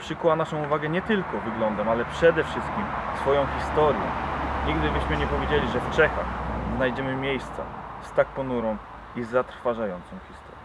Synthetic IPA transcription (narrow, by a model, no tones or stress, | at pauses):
pʂɘkuwanaʂɔ̃w̃uvaɡɛɲɛt̪ɘlkɔvɘɡlɔnd̪ɛmalɛpʂɛd̪ɛfʂɘst̪̚kʲimsfɔjɔ̃w̃xʲist̪ɔɾjɛ̰ɲiɡd̪ɘbɘɕmɘɲɛpɔvʲjed͡ʑelʲiʐɛft͡ʂɛxa̰xznajd͡ʑɛmɘmʲjejst̪sa̰st̪ak̚pɔnuɾɔ̃w̃ | izat̪ɾfaʐajɔnt̪sɔ̃w̃xʲist̪ɔ̥̰ɾjɛ